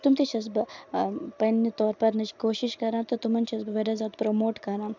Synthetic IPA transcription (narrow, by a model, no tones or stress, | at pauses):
t̪umt̪ʰit͡ʃʰɐsb | pɐnit̪ɔːɾpɐɾnɐt͡ʃi̥koːʃiʃkɐɾãːt̪ot̪umɐnt͡ʃʰɐzbʋeɾazʲaːt̪pɾomoːʈkɐɾãː